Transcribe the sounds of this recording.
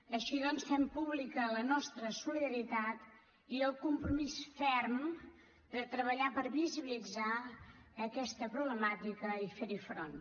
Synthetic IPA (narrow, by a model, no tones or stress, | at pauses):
əʃiðɔnsfɛmpuβlikələnɔst̪ɾəsuliðəɾit̪at̪ | iəlˠkumpɾumisfɛɾm | d̪ət̪ɾəβəʎapəɾβiziβilid͡zaəkɛst̪əpɾuβləmat̪ikəifeɾifɾon